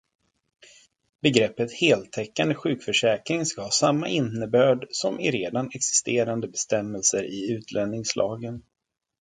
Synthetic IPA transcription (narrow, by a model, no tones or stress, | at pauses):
bɛɡɾɛpːət̪heːlt̪ʰɛkːand̪əɧʉ̟ːkfœʂɛːkɾɪŋskahɑːsamːa̰ʔɪnːəbœːɖsɔmʔɪɾeːd̪anɛksɪ̥st̪eːɾand̪əbɛst̪ɛmːɛlsəɾɪʉ̟ːt̪ʰlɛnːɪŋslʔɑ̰ːɡən